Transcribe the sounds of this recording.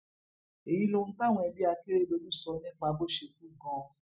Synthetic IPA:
e˨ji˧˦lo˧ñ̩˦ta˦˨w̃ɔ̃˧ɛ˧bi˦a˧ke˦ɾe˦lo˧˦du˦sɔ˧˦nĩ˦˨k͡pa˨˧bo˦˨ʃe˧ku˦ɡɔ̃˧˦

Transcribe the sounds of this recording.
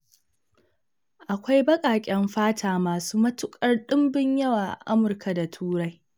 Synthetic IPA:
ʔa˨kʷa˦jbɐ˦kʼaː˨kʲʼɛ˦mɸaː˦tʰaː˨maː˨suː˦mɐ˦tʊ˦kʼɐ˦rɗɪ˦mbɪ˦ɲjɐ˦waː˨ʔa̰˨ʔa˦mʊ˨rka˨da˨tʰuː˦ɽa˦j

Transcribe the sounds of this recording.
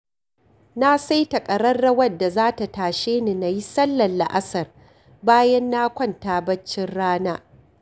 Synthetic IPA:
na˦sa˦jtɐ˨kʼɐ˨ɽɐ˦rːɐ˦wɐ˦dːa˨zaː˦ta˨taː˨ʃeː˦ni˨na˨ji˦sɐ˦lːɐ˨lːa̰˨ʔa˦sɐ˨r | baː˦jɐ˦nːa˦kʷɐ˦˨ntaː˨bɐ˦t͡ʃːɪ˦nɽaː˦naː˦

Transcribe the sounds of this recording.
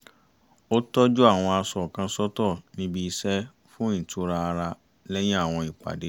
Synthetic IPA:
o˦tɔ˦d͡ʒu˦a˦˨w̃ɔ̃˧a˧sɔ˨kã˧sɔ˦tɔ˦˨nĩ˦bi˧i˧sɛ˦ | fũ˦ĩ˦˨tʰu˨˦ɾa˧ɾa˧ | lɛ˦j̃ĩ˦a˦˨w̃ɔ̃˧i˨k͡pa̰˨de˨˦

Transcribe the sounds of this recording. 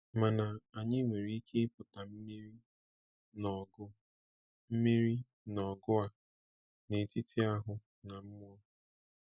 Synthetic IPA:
ma˨na˨a˨ɲɪ˦ŋʷe˨ɾi˦i˦kʰe˦pʊ˨ta˨m̩˦me˦ɾi˦ | nɔ˨ɡʊ˦ | m̩˦me˦ɾi˦ | nɔ˨ɡʊ˦a˦ | ne˨ti˦tʰi˦a˦ɦʊ˨ | na˨m̩˦m˦ɔ˦

